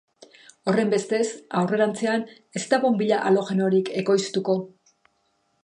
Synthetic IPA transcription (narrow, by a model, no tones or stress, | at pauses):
o̞re̞mbe̞st̪e̞sawre̞ɾant͡se̞an | e̞st̪aβombiʎaʔalo̞ɣe̞noɾike̞ko̞jst̪uko̞